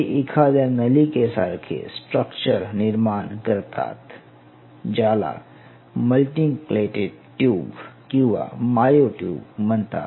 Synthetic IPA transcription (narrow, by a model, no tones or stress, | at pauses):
iʔɪkʰazaːɾnəlikesa̰ɾkʰḛsʈɾəkt͡ʃəɾnɪɾmaːnkəɾt̪a̰ːt̪ | d͡ʒaːla̰ | məlʈiŋkleːʈeɖʈjuːbkjuʋa̰maːjoʈjṵːbmənt̪a̰ː